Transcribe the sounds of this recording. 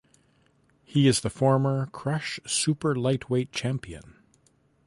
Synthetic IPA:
hiɨzðɨfɔɹmə˞kʰɹ̥ʌʃsʉpə˞laɪt̚ʰweɪt̚t͡ʃʰæ̃mpiɨ̰̃n

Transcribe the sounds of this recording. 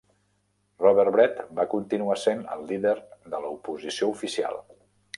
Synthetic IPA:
rɔβɛɾβɾɛt̪bakunt̪inuasenə̰lˠːiðeɾðələupuzisioufisia̰lˠ

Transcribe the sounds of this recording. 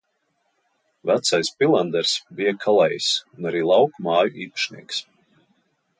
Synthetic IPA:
væt̪sajspʲilˠand̪ɛɾsbijɛkʰalˠɛjsunaɾiːlˠɑwkmɑːjuʔiːpḁʃnḭɛks

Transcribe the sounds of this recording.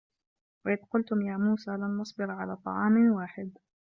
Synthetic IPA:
wɪʔɪd̪qʊlt̪ʊmjaːmuːsaːlanʔɑsˤbɪɾɑʕa̰laːt̪ˤɑ̰ʕɑːmwaːħɪd̪

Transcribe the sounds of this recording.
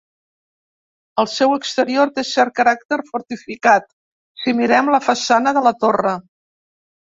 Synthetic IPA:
əlˠsɛwəkst̪əɾioɾt̪esɛɾt̪̚kəɾak̚t̪əɾfuɾt̪ifikat̪ | simiɾɛmləfəsanəðələt̪orə

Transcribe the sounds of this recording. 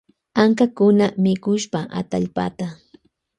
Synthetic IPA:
aŋkakʊnamɪkʊʃpaʔa̰t̪aʎpa̰t̪a

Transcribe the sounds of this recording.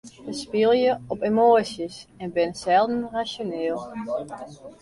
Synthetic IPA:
əspɪlˠjəɔpemoːsəsɛnbɪnsɛlˠdənrasjonɪːlˠ

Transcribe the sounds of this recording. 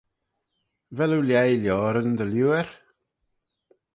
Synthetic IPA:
vɛlˠuwljɛjljɔɾənd̪əljuɛɾ

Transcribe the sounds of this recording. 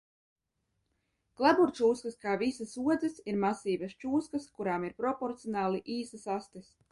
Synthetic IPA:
klˠabuɾt͡ʃuːskəskaːvisasuɔd̪zɨsiɾmasiːbɐst͡ʃuːskɐskuɾaːmiɾpɾɔpɔɾt̪sijɔnaːlˠiʔiːsɐsast̪is

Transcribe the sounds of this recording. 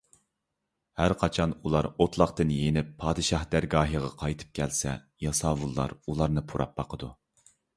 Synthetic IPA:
hæɾqʰɑt͡ʃʰɑnulˠɑɾot̪ʰlˠɑqt̪ɨnjenɪpʰːɑːd̪ɨʃɑhd̪æɾɡɑːɦɨʁɑqʰɑjt̪ʰɨ̥p̚kʲʰɛlsɛ̰ | jɑsɑːwulˠːɑ̰ɾulˠɑɾnɨpʰuɾʔɑ̰p̚bɑqʰəd̪u

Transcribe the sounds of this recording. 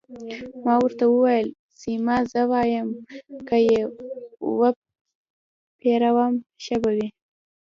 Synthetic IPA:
mɑwəɾt̪awəwajəl | simɑzəwɑjəmkəje | wə | pʰeɾawamʃabawi

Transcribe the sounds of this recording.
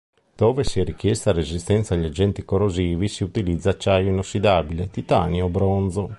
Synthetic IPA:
d̪̥oːvesiɛrik̟jɛst̪arezist̪ɛnt̪saːʎːad͡ʒɛnt̪ikoɾoziːvisiut̪ilid̪zːaːt͡ʃːajoinosːid̪aːbilet̪it̪a̰ːnjobɾond̪zo

